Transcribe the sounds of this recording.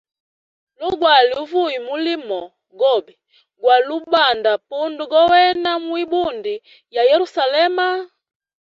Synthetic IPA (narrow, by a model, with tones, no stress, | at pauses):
lu˦ɡwa˨liu˦vu˦i˨mu˦li˦mɔ˨ | ɡɔ˦˨bɛ˨ | ɡwa˨lu˦ba˨nda˨pu˦ndu˨ɡɔ˦wɛ˦na˦mwi˦bu˦ndi˨ | ja˨jɛ˦ɾu˦sa˨lɛ˦ma˦